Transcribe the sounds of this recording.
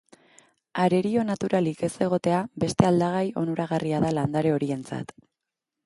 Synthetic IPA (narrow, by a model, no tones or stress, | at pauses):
aɾe̞ɾio̞nat̪uɾalike̞se̞ɣ̞o̞t̪e̞abe̞st̪e̞ald̪aɣ̞ajo̞nuɾaɣariaðaland̪aɾe̞o̞ɾie̞nt͡sa̰t̪